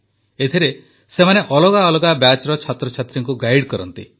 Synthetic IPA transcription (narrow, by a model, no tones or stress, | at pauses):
et̪ʰiɾe | semaneʔɔloɡaɔloɡabjat͡ʃɾɔt͡ʃʰat̪ɾɔt͡ʃʰat̪ɾiŋkuɡajɽkɔɾɔnt̪ḭ